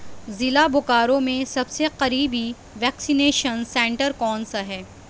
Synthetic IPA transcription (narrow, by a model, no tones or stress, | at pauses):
zɪlabʊkaːɾõmẽsɐbseqɐɾiːbʱi | ʋɛːksineːʃənsɛ̃ːɳʈəɾkɔːnsaɦɛː